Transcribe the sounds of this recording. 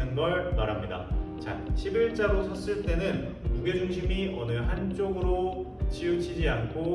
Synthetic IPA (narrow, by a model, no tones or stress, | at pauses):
ɯnɡʌɭmaɾɦamɲida̰t͡ɕa̰ɕʰibiɭt͡ɕ͈aɾosʰʌs͈ɯɭt͈e̞nɯn | kuɡe̞d͡ʑuŋɕʰimiʌnɯɦant͡ɕ͈oɡɯɾo | t͡ɕijut͡ɕʰid͡ʑiankʰo